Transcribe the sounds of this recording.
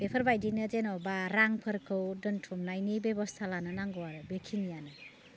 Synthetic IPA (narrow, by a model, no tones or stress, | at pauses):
b̥epʰəɾbajdinɯd͡ʒenɔbaɾaŋpʰɯɾkʰɯwdɯntʰumnajnibebɔst̪ʰalanɯnaŋɡɔwaɾɯbekʰinijanɯ